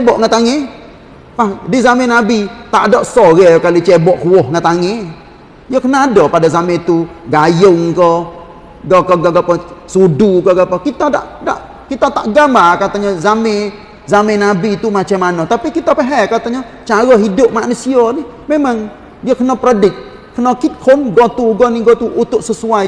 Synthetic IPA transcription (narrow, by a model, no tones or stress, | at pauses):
t͡ʃebɔʔŋət̪aŋe | pahdizamenabit̪aʔdɔʔsɔɣɛkalit͡ʃebɔʔkuwɔhŋət̪aŋe | jəkənadɔpadazamet̪uɡajʊŋkɔ | ɡakɔɡaɡapɔsudukɔɡapakit̪ada̰ʔda̰ʔ | kit̪at̪aʔɡamakat̪aɲazame | zamenabit̪umat͡ʃamanɔt̪apikit̪apɛɦɛkat̪aɲa | t͡ʃaɾɔɦidʊp̚manusiɔnɪh | memaŋ | diakənɔpɾɔdɪk̪̚ | kənɔkit̪̚kʰɔnɡɔt̪uɡɔniɡɔt̪uʔut̪ʊʔ̚səsua